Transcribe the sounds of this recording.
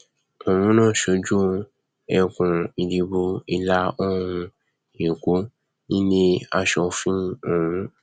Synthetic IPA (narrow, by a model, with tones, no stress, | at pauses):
o˨mũ˨˦nãː˦˨ʃo˧d͡ʒu˦ | ɛ˧kũ˨i˧di˧bu˧i˧la˦ɔ˦ɾũ˧ | e˨ko˨˦ | nĩ˦nĩ˧a˧ʃɔ˧fĩ˦˨ũ˨˦